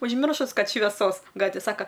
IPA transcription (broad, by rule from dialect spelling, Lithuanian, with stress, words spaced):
ʊʒʲˈmʲɪrʃʊs ˈkɐt ʃʲʋʲɛˈsoːs ˈɡɑːtʲʋʲeː ˈsɑːkɐ